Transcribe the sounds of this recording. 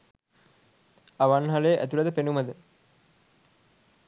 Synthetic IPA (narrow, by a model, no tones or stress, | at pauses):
ɐʋanɦɐleːʔæ̰t̪ulɐd̪əpenumɐd̪ə